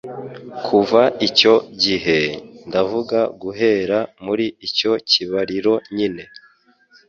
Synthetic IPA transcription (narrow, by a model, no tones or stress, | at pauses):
kʰuvaico̞ɟiɦe̞ndavuɡaɡuɦe̞ɾamuɾiico̞ciβaɾiɾo̞ɲine̞